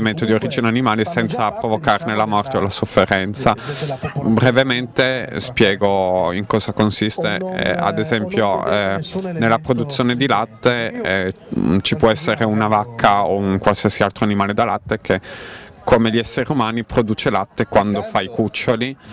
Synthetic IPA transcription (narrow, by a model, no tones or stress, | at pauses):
iment̪od̪ioɾid͡ʒinanimaːlesɛnt̪sapɾovokarnelamɔrt̪eolasofːeɾɛnt̪sa | bɾevement̪espjɛːɡoiŋkɔːzakonsist̪ḛa̰d̪ezɛmpjo | nelːapɾod̪ut̪sːjoːned̪ilat̪ːeɛ | t͡ʃipwɔɛsːeɾeunavakʰːaouŋkwalsiasialt̪ɾoanimaːled̪alat̪ːek̟ekːomeʎiɛsːeɾeumaːnipɾod̪uːt͡ʃelat̪ːekwand̪ofajkut͡ʃːoli